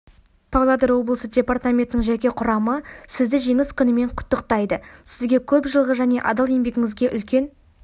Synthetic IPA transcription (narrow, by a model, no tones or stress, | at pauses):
pʰalˠad̪əɾwo̞blˠəsədʲe̞part̪amʲe̞nt̪ɪnɪŋʒækʲe̞qʰʊɾɑməsɪzd̪ɪʒe̞ŋɪskʲʰʏnɪme̞ɴqʰʊ̥t̪ːəqt̪ɑjd̪əsɪzɡʲe̞kʲʰɵpʒəlˠʁəʒæne̞ʔɑd̪ɑlˠe̞mbe̞ɡʲɪŋɪzɡʲe̞ʔʏlkʲe̞n